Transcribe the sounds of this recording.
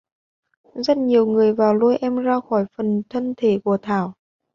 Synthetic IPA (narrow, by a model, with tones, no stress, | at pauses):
zə˦˥t̚ɲi˨˩əwŋɨ˨˩əjvaː˨˩wlu˧jʔɛ˧mzaː˧xɔ˧˩jfə˨˩nt̪ʰə˧nt̪ʰe˧˩˦ku˧˩ət̪ʰaː˧˩w